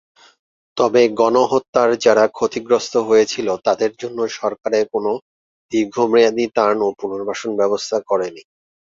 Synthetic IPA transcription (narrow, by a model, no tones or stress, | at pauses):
t̪ɔbeɡɔnoɦot̪ːaɾd͡ʑaɾakʰot̪iɡɾost̪ʰoɦojet͡ɕʰilot̪ad̪eɾd͡ʑonːoʃɔɾkaɾekono | b̪̥iɾɡʱomɾijad̪it̪anopunoɾbʱaʃonbɛbost̪ʰakɔɾeni